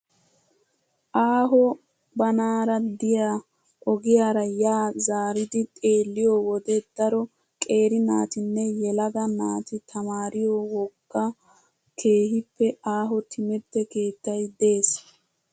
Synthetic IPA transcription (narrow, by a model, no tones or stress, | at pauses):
ʔaːɦɔ | bɐnaːɾɐd̪ɪjaː | ʔɔɡɪjaːɾɐjaːzaːɾɪd̪ɪt̪ʼe̞ːlːɪjoːwɔd̪ɛd̪̥ɐɾɔ | kʼe̞ːɾɪnaːt̪ɪnːɛjɛlɐɡ̪ɐnaːt̪ɪt̪ʰɐmaːɾɪjoːwɔkːɐ | kʰe̞ːɦɪpːɛaːɦɔt̪ʰɪmɛt̪ːɛke̞ːt̪ːɐjd̪e̞ːs